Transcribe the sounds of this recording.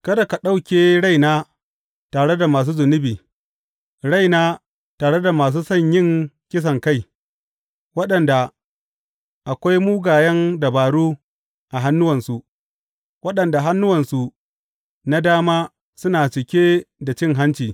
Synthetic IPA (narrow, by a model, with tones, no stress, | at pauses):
kɐ˦da˨ka˨ɗa˦wkʲeː˨ɽa˦jnaː˦ | taː˨ɽe˦da˨maː˨s̬uː˦zʊ˨nɪ˦biː˨ | ɽa˦˨jnaː˦ | taː˨ɽe˦da˨maː˨s̬uː˦sɐ˦˨ɲjɪ˦ŋkʲɪ˦s̬ɐ˨ŋka˦˨j | wɐ˦ɗɐ˨nda˨ | ʔa˨kʷa˦jmuː˦ɡaː˨jɛ˦nda˨baː˨ɽuː˦ | ʔa˨ɦa˦nːʊ˦wɐ˨nsu˨ʔ | wɐ˦ɗɐ˨nda˨ɦa˦nːʊ˦wɐ˨nsu˨ | na˦daː˦maː˦ | sʊ˦naː˨t͡ʃɪ˨kʲeː˦da˨t͡ʃɪ˦ŋɦa˦nt͡ʃiː˨